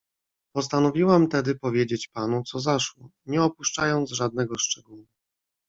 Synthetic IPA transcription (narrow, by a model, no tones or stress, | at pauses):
pɔst̪anɔvʲiwamt̪ɛd̪ɘpɔvʲjed͡ʑet͡ɕpanut̪sɔzaʂwɔɲɛɔpuʂt͡ʂajɔnd̪zʐad̪̚nɛɡɔʂt͡ʂɛɡuwu